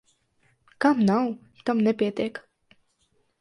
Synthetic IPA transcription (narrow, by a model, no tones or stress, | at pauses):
kamnaw | t̪amnepʲiɛt̪iɛk